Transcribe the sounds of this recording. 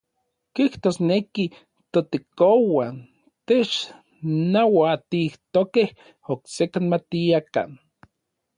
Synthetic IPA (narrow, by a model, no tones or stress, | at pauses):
kiht̪osneki | t̪ot̪ekowan | t̪et͡ʃ | nawat̪iht̪okeh | oksekanmat̪iaka̰n